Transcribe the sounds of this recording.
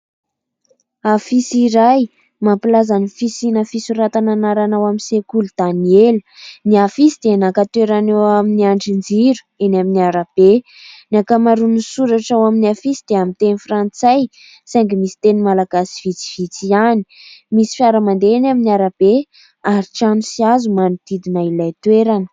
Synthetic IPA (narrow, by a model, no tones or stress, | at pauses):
afisiɾaj | mampilazanifisinafisuɾat̪ananaɾanawamisekulud̪̥anieləniafisid̪̥enakat̪eɾanewaminiaɳɖ͡ʐind͡ziɾu̥enaminiaɾab̥e | nakamaɾunisuɾaʈ͡ʂawaminiafisid̪̥eamit̪enifrant͡saj | sajŋɡimisi̥t̪enimalaɡasi̥v̥it͡si̥v̥it͡siani̥misi̥fjaɾamand̪eenaminiaɾab̥e | aɾiʈ͡ʂamisiazumanud̪̥id̪inailajt̪weɾanə̥